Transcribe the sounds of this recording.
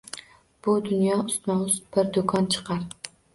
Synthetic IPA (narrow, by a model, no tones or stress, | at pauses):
b̥ʊd̪ʊnjɒʊst̪mɒwʊzb̥ɪɾd̪okʰɒnt͡ʃʰɨ̥qʰɑɾ